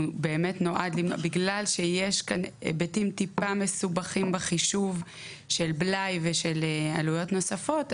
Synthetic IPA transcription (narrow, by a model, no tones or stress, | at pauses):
be̞ːme̞tno̞ʔadlimbiɡlalʃejeʃkanbetimtipamesubaχimbeχiʃuv | ʃelblajveʃelea̰lujo̞tno̞safo̞t